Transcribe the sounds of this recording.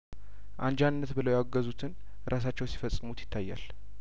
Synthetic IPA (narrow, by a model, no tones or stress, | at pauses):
ʔand͡ʒannːət̪bɨləwjaɡːəzut̪ʰɨn | ɾʔas̬at͡ʃːɛwsi̥fəsʼːɨmut̪jɪ̥t̪ʰːajːa̰l